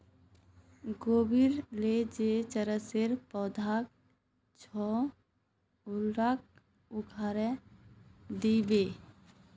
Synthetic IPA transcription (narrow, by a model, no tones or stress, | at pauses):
ɡoːbiɾled͡ʒet͡ʃəɾəseɾpɔːd̪ʱak̚ | t͡ʃʰɔ | ʊlɾak̚ | ʊkʰaɾɛ | d̪ibe